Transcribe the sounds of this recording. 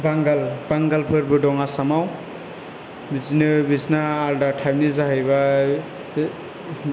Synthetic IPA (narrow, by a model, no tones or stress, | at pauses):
baŋɡalbaŋɡalbʰʱɯɾbɯdɔŋasamaw | biznɯbiznaːldatʰajmnizaɦiba